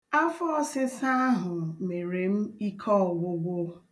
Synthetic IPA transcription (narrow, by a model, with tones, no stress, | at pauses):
a˦fɔ˦sɪ˦sa˦a˦ɦʊ˨me˨ɾe˨m̩˦i˦kʰɔ˦˨ɡʷʊ˦ɡʷʊ˦